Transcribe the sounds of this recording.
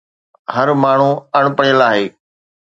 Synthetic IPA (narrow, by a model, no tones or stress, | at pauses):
hɐɾmaːɳ̤uɐɽ̃pəɽəlaːɦeː